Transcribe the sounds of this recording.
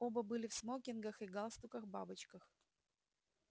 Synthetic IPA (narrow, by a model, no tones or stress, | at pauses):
obəbɨlʲɪfsmokʲɪnɡəxɨɡalˠst̪ʊkəxbabɨt͡ɕkəx